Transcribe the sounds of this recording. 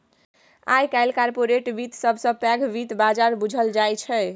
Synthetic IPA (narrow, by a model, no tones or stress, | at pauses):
a̰jkajlkaɾpoɾeʈbit̪səbʱsə̃pɛɡbit̪bad͡ʒaɾbud͡ʒʱəld͡ʒajt͡ʃʰɛj